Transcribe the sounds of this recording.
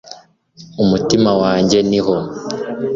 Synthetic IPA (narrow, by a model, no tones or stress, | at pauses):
umutimawaːɲɟe̞niɦo